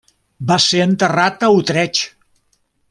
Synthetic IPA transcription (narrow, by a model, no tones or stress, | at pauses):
baseənt̪ərat̪əut̪ɾɛt͡ʃ